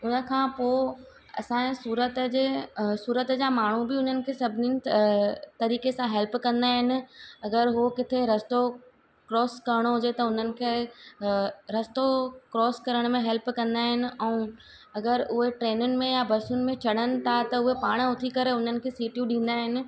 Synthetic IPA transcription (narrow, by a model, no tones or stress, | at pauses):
ʊnə̆kʰãːpoː | ɐ̰sãːesuːɾət̪d͡ʑesuːɾət̪d͡ʑamaːɳ̤ubɪʊn̤ənɪ̆kʰeːsɐbʱɪninɪ | t̪ɐɾiːkesãɦɛlpkɐ̃nd̪aːɦɪnɪ̆ɐɡəɾɦokɪt̪ʰeɾɐst̪o | kɾɔːskɐɾɪɽ̃oɦʊd͡ʑet̪ɐʊn̤ənɪ̆kʰeː | ɾɐst̪okɾɔːskɐɾəɽ̃mẽɦɛlpkɐ̃nd̪aːɦɪnɪ̆ʔɛ̃ũ | ɐɡəɾʔʊɦeʈɾeːnʊnɪ̆mẽjabɐɾsʊnɪ̆mẽt͡ɕʰɐɽənɪ̆t̪ʰat̪ɐʊɦepaːɽ̃ʊt̪ʰikɐɾeʊn̤ənɪ̆kʰesiːʈjuɗĩːnd̪aːɦɪnɪ̆